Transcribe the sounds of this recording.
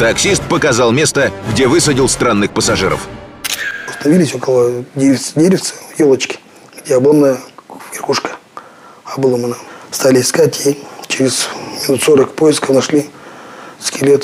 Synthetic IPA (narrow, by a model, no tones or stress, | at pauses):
t̪ɐksʲist̪̚pəkɐzalˠmʲe̞st̪əɡdʲevɨs̬ədʲɪlˠst̪ɾanːɨxpəsɐʐɨɾə̰f | ʊst̪ənɐvʲilʲɪsʲo̞kəlˠədʲeɪsdʲeɾʲɪft̪sə̥jolˠət͡ɕkʲɪ̥ | ɡ̥dʲeɐbomnəjəvʲɪrxuʂkə̥ | ɐbɨlˠomənəst̪alʲɪɪskatʲjit͡ɕɪɾʲɪzmʲɪnut̪soɾəkpojɪskəfnɐʂlʲi | skʲɪlʲet̪